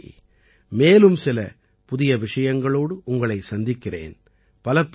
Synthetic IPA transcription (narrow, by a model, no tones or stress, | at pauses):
meːlɯmsɪlɐ̰ | pʊðɪjɐʋɪʂɐjɐŋɡɐɭoːɽɯʔʊŋɡɐɭɐɪsɐnd̪ɪkːɪrḛːn | pɐlɐpː